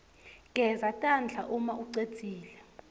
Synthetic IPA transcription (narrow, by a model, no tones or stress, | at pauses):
ɡ̥ʱɛzatʼand͡ɮʱaʔumaʔuǀet͡sʼiːlɛ